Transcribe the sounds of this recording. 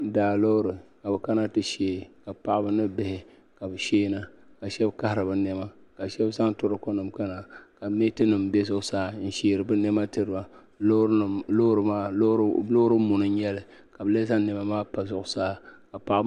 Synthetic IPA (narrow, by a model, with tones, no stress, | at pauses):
daː˨lo˦ɾɨ˨ka˨bɨ˨ka˦na˦tɨ˦ʃeː˦˨ka˨pa˦ʔa˦bɨ˦nɨ˦bɪ˦hɪ˨ | ka˨bɨ˨ʃeː˦na˨ka˨ʃɛ˦bka˦ha˨ɾɨ˨bɨ˦nɛ˦ma˦ka˨ʃɛ˦bza˦ŋtʊ˦ɾɨ˦ko˦nɨ˨mka˦na˨ka˨me˦tɨ˦nɨ˨mbe˦zʊ˦ʔsaː˦n̩˦ʃeː˨ɾɨ˨bɨ˦nɛ˦ma˦tɨ˦ɾɨ˦ba˨˦˨ | o˦ɾɨ˨maː˦lo˦ɾɨ˦mu˨nɨ˦ɲɛ˦lɨ˨ | ka˨bɨ˨le˦za˦ŋ˦nɛ˨ma˦maː˦pa˨zʊ˦ʔʊ˨saː˦ka˨pa˦ʔ